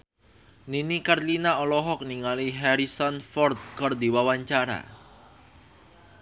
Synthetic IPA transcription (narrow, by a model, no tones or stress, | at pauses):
ninikarlinaɔlɔɦɔk̚niŋaliɦɛɾisɔnfɔrt̪̚kɔrd̪iwawaɲt͡ʃaɾa̰